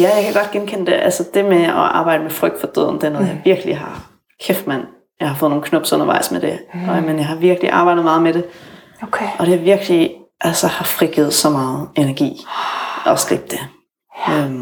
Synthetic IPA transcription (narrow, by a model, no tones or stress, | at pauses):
jæjɑ̈ɪkʰæɡ̥ɒ̽d̥̚ɡ̥enkʰen̰əd̥eʔælsəd̥e̝meɒʔɑ̈ːb̥ɑ̈ɪd̥əmefʁœɡ̥̚d̥fɒd̥øœ̰ð̰ˠn̩d̥eɐno̽ːð̩ˠjɑ̈ɪʋiɐɡ̥əliɦɑ̈ | kʰefd̥mæn̰ | jɑ̈ɪhɑfɔ̽ð̩ˠnoːnkʰnɔ̽b̥sɔ̽n̰ɐʋɑ̈ɪ̰smed̥e̝menjɑɦɑ̈ʋiɐɡ̥liʔɑ̈ːb̥ɑ̈ɪ̰dð̩ˠmɑð̩ˠmeɾ̥e̝ | kʰʔɒ̽d̥e̝æʋiɐɡ̥liʔælsəhɑ̈fʁiɡ̥ið̞̩ˠsɒ̽mɑ̈ːð̞̩ˠe̝næɐɡ̥ḭːʔɒsɡ̥ʁḭb̥̚d̥e̝ | øm